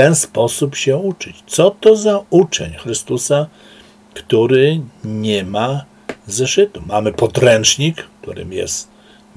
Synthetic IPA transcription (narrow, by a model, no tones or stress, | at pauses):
t̪ɛnspɔsupɕɛut͡ʂɘt͡ɕt̪sɔt̪ɔzaut͡ʂɛ̰ɲxɾɘst̪usa | kt̪uɾɘɲɛma | zɛʂɘt̪umamɘpɔd̪ɾɛnt͡ʂɲikkt̪ṵɾɘ̰mjɛ̰st̪